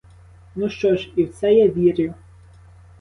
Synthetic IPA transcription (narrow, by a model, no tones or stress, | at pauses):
nuʃt͡ʃɔʃiwsɛjɛʋʲiɾʲjʊ